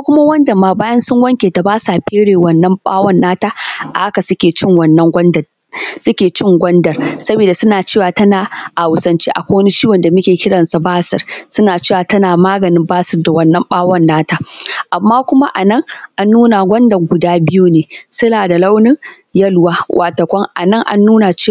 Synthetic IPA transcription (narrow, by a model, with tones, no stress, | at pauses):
kʷʊ˦ma˦wɐ˦ndɐ˨mːaː˦baː˦jɐ˦nsʊ˦ŋwɐ˦ŋkʲeː˨ta˨baː˦saː˨ɸeː˦ɽeː˨wɐ˨nːɐ˦mɓa̰ː˦wɐ˦nːaː˦taː˦ʔa˨ha˦ka˨sʊ˦kʲeː˨t͡ʃɪ˦ŋwɐ˨nːɐ˦ŋɡʷɐ˦d | sʊ˦kʲeː˨t͡ʃɪ˦˨ŋɡʷɐ˦ndɐ˨rsɐ˦beː˨da˨sʊ˦naː˨t͡ʃeː˦˨waː˨tɐ˦naː˨ʔa˨wʊ˨sɐ˨nt͡ʃeː˦ʔa̰˨kʷo˦wni˦t͡ʃiː˦wɐ˨nda˨mʊ˦kʲeː˨kʲɪ˦ɽɐ˨nsa˨baː˦sɪ˨rsʊ˦naː˨t͡ʃeː˦waː˨tɐ˦naː˨maː˦ɡɐ˨nɪ˦mbaː˦sɪ˨rda˨wɐ˦nːɐ˦mɓaː˦wɐ˦˨nːaː˦taː˦ʔa˨mːaː˦kʷʊ˦ma˦ʔa˨nɐ˦˨ŋʔa˦nːuː˦na˨ɡʷɐ˦ndɐ˨rɡʷʊ˨daː˦bɪ˦juː˦neː˨sʊ˦naː˨da˨la˦wnɪ˦ŋ | jɐ˦lwaː˦wʔa˨tɐ˨kʷɔ˦ŋʔa̰˨nɐ˦˨ŋʔa̰˦nːuː˦na˨t͡ʃː